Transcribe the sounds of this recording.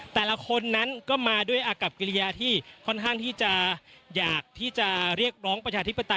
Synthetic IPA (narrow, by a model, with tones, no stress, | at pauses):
t̪ɛː˨˩la˦kʰo˧nːa˦˥nkɔː˥˩maː˧du˥˩əjʔaː˧ka˨˩p̚ki˧li˧jaː˧t̪ʰiː˥˩kʰɔ˥˩nkʰaː˥˩ŋt̪ʰiː˥˩t͡ɕa˨˩jaː˨˩k̚t̪ʰiː˥˩t͡ɕa˨˩ɾi˥˩ək̚ɾɔː˦˥ŋpɾa˧t͡ɕʰaː˧t̪ʰi˦˥pːa˧t̪a˧